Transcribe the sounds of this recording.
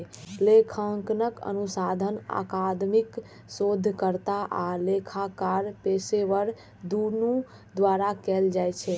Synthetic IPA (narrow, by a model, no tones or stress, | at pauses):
lekʰə̃ŋknəkə̰nusad̪ʱəna̰kad̪mik | sod̪ʱːkəɾt̪aʔa̰lekʰakaɾpeseʋəɾ | d̪unu | d̪ʋaɾakɛld͡ʒajt͡ʃʰɛ